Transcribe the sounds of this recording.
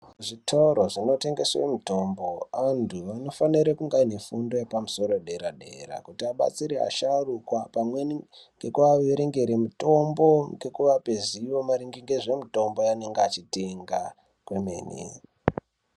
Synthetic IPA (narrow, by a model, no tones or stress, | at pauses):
ʐitʰoɾoʐino̞te̞ŋɡe̞swḛmito̞mbo̞antʰuʋano̞faniɾekuŋɡaine̞fundo̞jepamuso̞ɾoɗe̞ɾaɗe̞̰ra̰kutiaɓa̰t͡siɾea̰ʃarukwapamwe̞nŋɡe̞kuaeɾe̞ŋɡe̞ɾemuto̞mbo̞ŋɡe̞kuʋape̞ziʋo̞maɾiŋɡiŋɡeʐe̞mito̞mbo̞jane̞ŋɡeat͡ʃiteŋɡa | kwemḛːnḛ